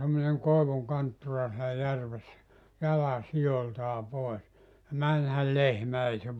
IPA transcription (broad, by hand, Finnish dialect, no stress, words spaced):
semːoneŋ koeʋuŋ kɑntːurɑ sielæ jærʋesːæ jɑlɑ sijoltɑː poes jɑ mænhæl lehmæ ei se